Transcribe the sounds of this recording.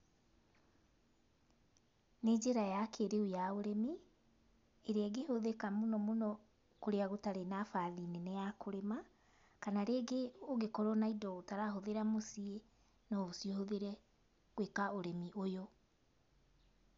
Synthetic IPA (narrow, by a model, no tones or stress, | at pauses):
ned͡ʑeɾajakʰeɾeujaoɾɛmi | eɾeaɡehoðekamonɔmonɔ | koɾeaɣotaɾenafaðineneakoɾema | kanaɾeɡeoɣekɔɾɔnaidɔotaɾaɦoðeɾamosie | nɔosiohoðeɾɛ | ɣwekaoɾɛmiʔojo